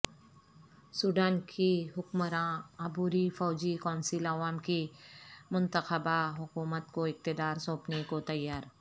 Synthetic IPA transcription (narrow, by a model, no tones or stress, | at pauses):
suːɖaːnkʰiɦʊkməɾãɐbuːɾifɔːd͡ʒikɔ̃ːnsɪlɐʋaːmkimʊ̃nt̪əxəbaɦʊkuːmət̪koɪk̚t̪ɪd̪aːɾsõːpnekot̪ɐjːaːɾ